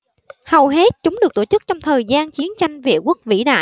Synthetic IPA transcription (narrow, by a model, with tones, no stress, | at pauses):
hə˨˩wɦe˦˥t̚t͡ɕʊ˨˦ŋ͡mɗɨ˨˩ək̚t̪o˧˩t͡ɕɨ˦˥k̚t͡ɕɔ˧wŋ͡mt̪ʰəː˨˩jzaː˧nt͡ɕi˨˦ənt͡ɕa˧jŋ̟vḭ˧˨əku˦˥ək̚vḭ˧˥ɗa̰ː˧˨